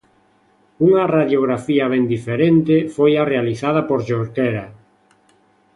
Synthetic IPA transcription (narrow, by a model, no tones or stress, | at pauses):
uŋaraðjoɣɾafiɐβ̞ɛnd̪ifeɾent̪ɪfojarealiθað̞ɐpoɾʒoɾkɛɾa